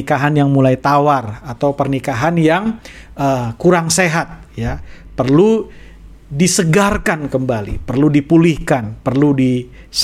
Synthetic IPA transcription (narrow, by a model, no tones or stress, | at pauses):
kaɦanjaŋmulajt̪awarat̪awpərnikaɦanjaŋ | əkuɾaŋseɦat̪̚ja | pərlu | disəɡarkankəmbalḭpərludipulihkanpərludi | s